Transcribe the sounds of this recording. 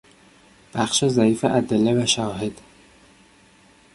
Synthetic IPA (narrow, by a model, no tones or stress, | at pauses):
b̥æxʃezæiːfeʔæd̪elːevæʃæɒːɦed̪̥